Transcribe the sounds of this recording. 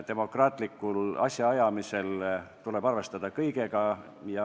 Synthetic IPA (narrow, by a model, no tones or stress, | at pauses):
t̪e̞mo̞krɑːt̪likːˑulɑ̰sʲjɑɑjɑmise̞lt̪ule̞b̥ɑrve̞st̪ɑd̪ɑkɤjɡe̞ɡ̥ɑ | jɑ